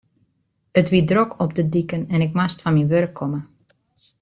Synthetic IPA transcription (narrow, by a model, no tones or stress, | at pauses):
ətʋidrokʰɔpdədikənɛnɪkmastfɔnminʋørkʰːɔmə